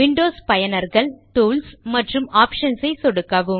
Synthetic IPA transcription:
ʋɪɳɖoːspɐjɐnɐɾɣɐɭt̪uːlsmɐʈrɯmaːpʂɐnsɐɪsɔɽɯkːɐʋɯm

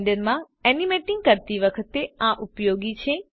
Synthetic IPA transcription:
ɖəɾmã | ɛnimeʈɪŋɡ̚kəɾt̪iʋəkʰət̪eãʔupjoɡit͡ʃʰe

